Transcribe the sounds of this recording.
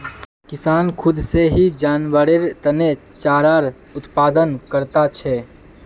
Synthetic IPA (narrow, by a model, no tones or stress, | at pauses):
kɪsaːnkʰʊd̪seɦid͡ʒaːnʋəɽeɾt̪ənet͡ʃaːɾaːɾ | ʊt̪paːd̪ənkəɾt̪at͡ʃʰɛː